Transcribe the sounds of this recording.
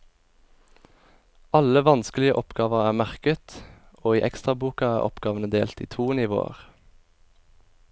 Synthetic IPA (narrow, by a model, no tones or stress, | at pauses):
ɑləʋɑnsklɪəʔɔpɡɑːʋəʁæːʁmæʁkət̪ | oːiːʔɛkst̪ʁɑbuːkɑæːʔɔ̰pɡ̥ɑːʋənəd̪eːlt̪ḭːt̪ʰuːnɪʋo̰ːə̰ʁ